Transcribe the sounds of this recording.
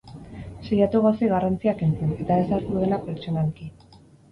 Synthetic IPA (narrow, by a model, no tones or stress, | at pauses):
sejat̪uɣawsiɣarant͡siake̞nt͡sene̞t̪aesaɾt̪uðe̞lape̞ɾt͡ʃonalki